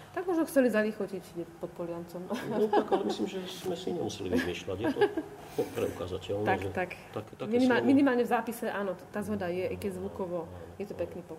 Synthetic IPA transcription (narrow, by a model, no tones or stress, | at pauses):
t̪aɡ̚mɔʒnɔxt͡sɛlizalixɔcicɟɛpɔt̪̚pɔlɪant͡sɔmɔaklɛmisliːmʒɛsmɛsiɲɛmusɛlḭʋzmɪɛʃlaɟjɛtɔ | ɔpɾɛ̰uka̰zacɛlnt̪akɛt̪ak̪aminimaminimaːlɲɛvzaːpisɛʔaːnɔt̪aːzɦɔd̪ajɛʔkɛzʋukɔʋɔjɛt̪ɔpɛkniːpɔ